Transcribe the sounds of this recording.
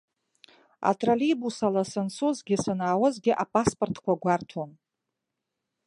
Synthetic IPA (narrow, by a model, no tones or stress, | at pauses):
a̰tʼralibusalasɨnsʰuzɡʲɪsɨnaːwəzɡʲɪʔapʼaspʼortʰkʷʰaɡʷartʰon